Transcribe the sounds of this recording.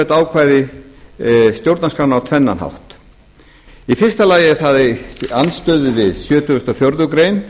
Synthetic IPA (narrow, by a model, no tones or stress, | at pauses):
ɛt̪aːwkʰvaːjðɪ | st̪jowɾt̪naskɾanawt̪ʰvɛnːa̰nha̰wht̪ | ifɪrst̪alaːjɪθaðanst̪œːðɪvɪðsjœːt̪ʰʏʏst̪ɔfjowɾðʏkɾejn